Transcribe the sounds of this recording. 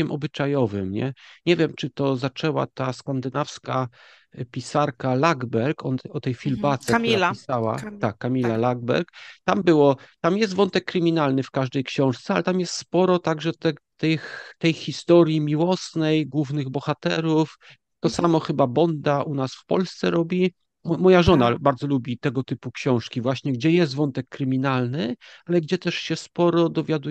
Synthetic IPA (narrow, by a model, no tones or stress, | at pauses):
ɛmʔɔbɘt͡ʂajɔvɘmɲɛ̰ɲɛvʲjɛmt͡ʂɘt̪ɔzat͡ʂɛwa̰t̪askand̪ɘnafska | pʲisaɾkalaɡbɛɾkʰɔɔt̪ɛjfʲilbat̪sɛialʲisawa̰t̪akːamʲilalaɡbɛ̰ɾkt̪ambɘwɔt̪amjɛst̪vɔnt̪ɛkːɾɘmʲinalnɘfkaʐd̪ɛjkɕɔ̃w̃ʂt̪sɛalɛt̪amjɛst̪spɔɾɔt̪aɡʐɛt̪ɛt̪ɛxt̪ɛjxʲist̪ɔɾʲjimʲiwɔsnɛjɡwuvnɘɣbɔxat̪ɛɾuf | t̪ɔsamɔxɘbabɔnd̪aʔunasfpɔ̰lst̪sɛɾɔbʲi | mɔjaʐɔnabaɾd̪zɔlubʲit̪ɛɡɔt̪ɘpukɕɔ̃w̃ʂkʲivwaɕɲɛɡd͡ʑɛjɛst̪vɔnt̪ɛkːɾɘmʲinalnɘalɛɡd͡ʑɛt̪ɛʂɕɛspɔɾɔd̪ɔvʲjad̪u